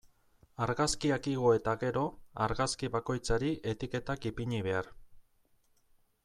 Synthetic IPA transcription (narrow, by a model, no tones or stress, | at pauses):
aɾɣaskiakiɣo̞e̞t̪aɣe̞ɾo̞a̰ɾɣaskiβako̞jt͡saɾiʔe̞t̪ike̞t̪akipiɲiβ̞e̞aɾ